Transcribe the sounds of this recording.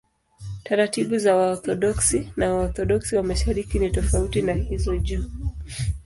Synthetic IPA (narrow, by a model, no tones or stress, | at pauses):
taɾatiɓuzawaɔθɔɗɔksinawaɔθɔɗɔksiwamaʃaɾikinitɔfautinahizɔʄuː